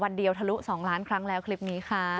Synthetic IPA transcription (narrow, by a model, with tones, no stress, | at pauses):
wa˧ndi˨˧əwt̪ʰa˧lu˦˥ʔsɔː˩˦ŋlaː˦˥nkʰɾa˦˥ŋlɛː˦˥wkʰli˦˥˩p̚niː˦˥kʰa˥˩